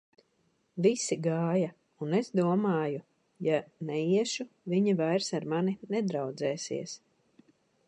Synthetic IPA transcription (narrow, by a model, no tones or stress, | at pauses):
visiɡaːja | unez̥d̪uɔmaːju | janɛiɛʃuviɲivajɾsaɾmaninɛd̪ɾawd̪zɛːsḭɛs